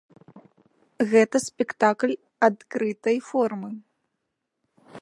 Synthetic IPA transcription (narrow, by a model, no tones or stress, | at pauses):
ɣɛt̪ɐsʲpʲɛkt̪aklʲ | at̪kɾɨt̪ɐjfɔrmɨ